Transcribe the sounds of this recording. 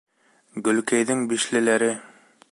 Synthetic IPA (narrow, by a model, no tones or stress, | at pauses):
ɡɵ̆lkæjðɘŋbiʃlɘ̆læɾɘ